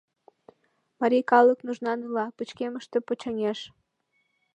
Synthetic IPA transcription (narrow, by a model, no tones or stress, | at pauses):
mɑɾʲikɑlˠəknuʒnɑnɨlɑpɨt͡ɕkeməʃt̪ə̽pot͡ɕɑŋeʃ